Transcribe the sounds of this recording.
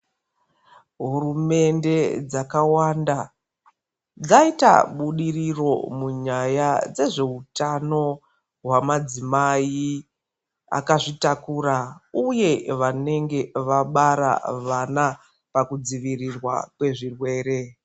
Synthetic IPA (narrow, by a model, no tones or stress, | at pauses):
ɦurume̞nde̞d͡zakawanda | d͡zaita̰ɓuɗiriro̞̰muɲajad͡ze̞ʐe̞utano̞ | ɦwamad͡zimai | a̰kaʐitakuɾauje̞ʋane̞ŋɡe̞ʋaɓaɾa̰ʋana | pakud͡ziʋirirwa̰kwe̞ʐirwe̞ːɾe̞